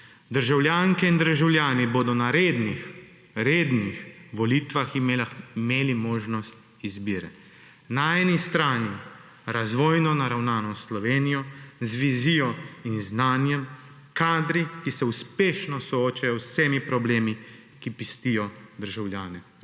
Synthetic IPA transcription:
d̪əɾʒawljaːŋkɛind̪əɾʒawlʲjaːniboːd̪ɔnaɾeːd̪nix | ɾeːd̪nixʋɔliːt̪ʋaximeːlimoːʒnɔst̪̚ | izbiːɾɛ | naɛnist̪ɾaːni | ɾazʋɔːjnɔnaɾawnaːnɔsslɔʋeːnijɔzʋiziːjɔinznaːnjɛm | kaːd̪ɾikisɛuspeːʃnɔsɔoːt͡ʃajɔwsemipɾɔbleːmi | kipist̪ijɔd̪əɾʒawljaːnɛ

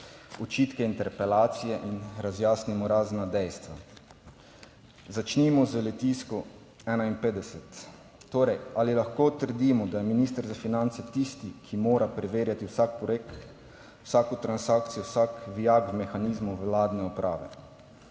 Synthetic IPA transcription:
ɔt͡ʃiːt̪kɛint̪ɛɾpɛlaːt̪sijɛʔinɾazjaːsnimɔɾaːznad̪ɛjst̪ʋa | zat͡ʃnimɔzəlɛt̪iːskɔ | ɛːnainpeːd̪ɛsɛt̪ː | oːɾɛjalilaxkoːt̪əɾd̪imɔd̪ajɛminist̪əɾzafinant̪sɛt̪ist̪ikʰimoːɾapɾɛʋeːɾjat̪iwsakpɔɾek | wsaːkɔt̪ɾansaːkt̪sijɔsakʋijaɡmɛxaniːzmuwlaːd̪nɛɔpɾʔa̰ːʋɛ̰

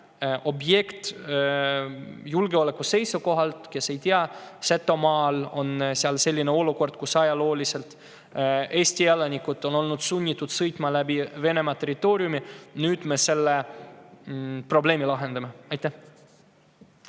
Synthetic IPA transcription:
ʔo̞bje̞kt̪ | julɡeo̞le̞kːˑuse̞jsuko̞ɦɑlt̪ke̞se̞jt̪iɑset̪ːˑo̞mɑːlo̞nseɑlse̞lʲːineo̞luko̞rd̪̥̚kusɑjɑlo̞ːlise̞lt̪ | e̞ːsʲt̪ijelɑnʲikut̪ːo̞no̞lnud̪̥sunʲːit̪ːˑud̪̥sɤjt̪ˑmɑlæbive̞ne̞mɑt̪e̞ɾit̪ːˑo̞ːɾjuminyːd̪̥me̞se̞lːe | pro̞ble̞ːmilɑɦe̞nd̪ɑme̞ɑjt̪ːˑæh

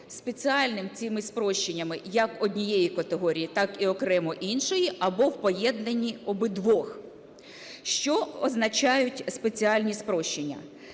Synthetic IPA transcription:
spet͡sʲiɑlʲnɪmt͡sʲimɪspɾɔʃt͡ʃenʲːɐmɪjɐkɔdʲnʲijɛjikɐt̪eɦɔɾʲijit̪ɑkiɔkɾɛmɔʔinʃɔjiɐbɔwpɔjɛd̪nenʲːiɔbɪd̪ʋɔx | ʃt͡ʃɔɔznɐt͡ʃɑjʊtʲspet͡sʲiɑlʲnʲispɾɔʃt͡ʃenʲːɐ̰

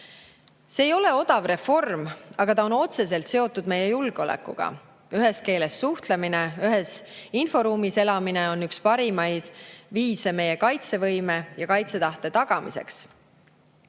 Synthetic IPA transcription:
se̞ːjo̞le̞o̞d̪̥ɑvre̞fo̞rmɑɡ̥ɑt̪ɑo̞no̞t̪se̞se̞lt̪se̞o̞t̪ːˑud̪̚me̞je̞julɡ̥eo̞lḛkːṵɡ̥ɑ̰ | yɦe̞ske̞ːle̞sːuht̪lemine̞yɦesinfo̞ɾuːmise̞lɑmine̞o̞nːykspɑɾimɑjd̪̥viːse̞me̞jekɑjt̪se̞vɤjme̞jɑkɑjt̪se̞t̪ɑht̪e̞t̪ɑɡ̥ɑmḭse̞̰ks

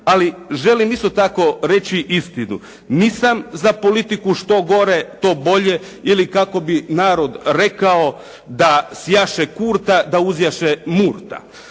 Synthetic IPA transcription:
aliʒe̞limist̪o̞t̪ako̞ɾe̞t͡ɕiʔist̪inṵ | niːsamzapo̞lit̪ikuʃt̪o̞ɡo̞ɾet̪o̞ːbo̞ʎe̞ | ilikako̞binaːɾo̞d̪ɾe̞kao̞ | d̪asjaʃekuːɾt̪ad̪auzjaʃemuːɾt̪a̰

